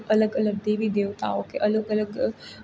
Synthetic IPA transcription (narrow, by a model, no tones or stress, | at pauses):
ʔɐləɡələɡ̚d̪eːʋid̪eːʋt̪a̰ːokeʔɐləɡələɡ